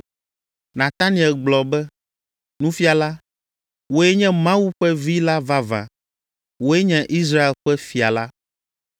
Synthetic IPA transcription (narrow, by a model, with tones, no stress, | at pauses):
nã˨t̪a˦nĩ˨ɛ˨lɡ͡blɔ˨bɛ˦ | nũ˦fi˦a˨la˦ | wo˦ɛ˦ɲɛ̃˦mã˦wu˦ɸɛ˦vi˦la˦va˦vã̰˨ | wo˦e˦ɲɛ̃˨ʔi˦s̬ɾa˦e˨lɸɛ˦fi˨a˨la˦